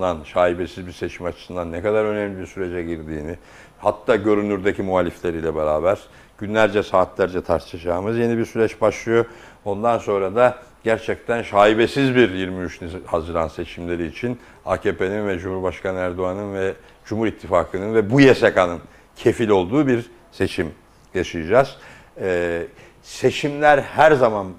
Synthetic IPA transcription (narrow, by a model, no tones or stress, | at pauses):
anʃaːibesizbiɾse̞t͡ʃʰimat͡ʃʰɯ̥sɯnd̪anːɛkad̪aɾø̞nɛmlʲibiɾsyɾe̞d͡ʒɛɟiɾd̪iːni | hat̪ʰːaːɟø̞ɾynyɾd̪ecimuɦaːlʲiflʲe̞ɾiːlʲɛbeɾaːbæɾ̥ | ɟ̥ynlʲæɾd͡ʒɛsaːt̪lʲæɾd͡ʒɛt̪ʰaɾt̪ʰɯad͡ʒaːmɯzje̞nibiɾsyɾɛt͡ʃbaʃlˠɯjo̞ | o̞nd̪anso̞nɾad̪a | ɟ̥æɾt͡ʃʰɛc̚t̪ʰænʃaːibesizbiɾjiɾmiyt͡ʃnihazɯɾanse̞t͡ʃʰimlʲe̞ɾiːt͡ʃʰin | a̰ːcʰeːpe̞ninvɛd͡ʒumhuɾbaʃkanɯæɾd̪oanɯnvɛ | d͡ʒumuɾit̪ʰːifaːkʰɯnɯnvɛbujesekanɯn | cʰe̞filʲo̞lˠd̪uːbiɾ | se̞t͡ʃʰim | jaʃɯjad͡ʒaz̥ | ɛː | se̞t͡ʃʰimlʲæɾhæɾzaman